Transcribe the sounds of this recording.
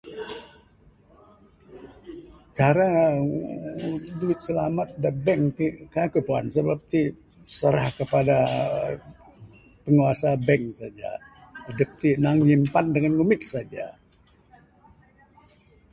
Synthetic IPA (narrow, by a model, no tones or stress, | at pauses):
t͡ʃaɾa | duɪt̪̚səlamat̪̚dəbɛŋt̪ikaakupua̰nsəbap̚t̪i | səɾahkəpada | pəŋuasabɛŋsad͡ʒa̰adəp̚t̪inaŋɲimpandəŋanɡumɪt̪̚sad͡ʒa̰